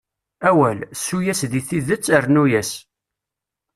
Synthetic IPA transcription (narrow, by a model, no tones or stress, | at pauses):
æwælsːujæsðiθiðət͡sːəɾnujæs